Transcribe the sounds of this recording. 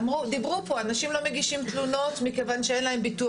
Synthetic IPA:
mʁud̪ibʁupo̞anaʃimlo̞meɡiʃimt̪luno̞tmikevanʃee̞nlae̞mbitu

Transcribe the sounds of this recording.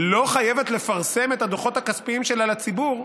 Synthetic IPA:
lo̞χaje̞vet̪le̞faʁse̞me̞t̪had̪oχo̞t̪hakaspiimʃe̞lalat͡sibuʁ

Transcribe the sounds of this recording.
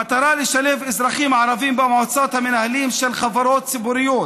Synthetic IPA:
at̪ɑɾˤɑːlɪʃaleːfʔɪzɾˤɑxiːmʕaɾˤɑviːmbamʕosˤɑːt̪hamɪnʔahliːmʃɪlxavɑɾˤoːt̪sɪbuːɾɪjːoː

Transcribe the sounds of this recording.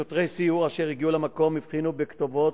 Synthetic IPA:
ot̪ʁejsiuʁaʃeʁiɡiulemako̞mivχinubekt̪ovo̞t

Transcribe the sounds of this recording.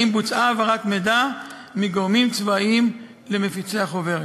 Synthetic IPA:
imbut͡saːvaʁat̪med̪a | miɡoʁmimt͡svaim | le̞mefit͡seaχove̞ʁ

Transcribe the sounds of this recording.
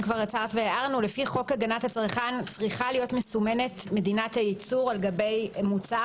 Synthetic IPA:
kvaʁat͡saʁt̪veeʔaʁnulefiχo̞kaɡanathat͡sʁχant͡sʁiχalijo̞tmesume̞ne̞tme̞dinatajit͡suʁalɡabe̞jmut͡sa

